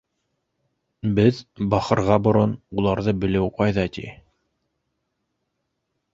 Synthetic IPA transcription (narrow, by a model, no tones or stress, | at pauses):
bɘðbɑχɤ̆ɾʁɑbŏɾonulˠɑɾðɤbɘ̆lɘwqɑjðɑt̪ḭ